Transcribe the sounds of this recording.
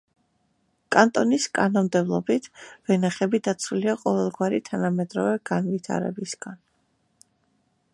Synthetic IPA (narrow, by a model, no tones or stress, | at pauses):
kʼant̪ʼɔniskʼanɔmd̪ɛblˠɔbit̪ʰvɛnaχɛbid̪at̪sʰuliaqʼɔvɛlˠɡwaɾit̪ʰanamɛd̪ɾɔvɛɡ̥anvit̪ʰa̰ɾɛ̰bisɡ̥an